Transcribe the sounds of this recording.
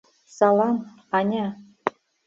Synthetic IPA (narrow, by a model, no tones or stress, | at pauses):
sɑlˠɑm | ɑnʲɑ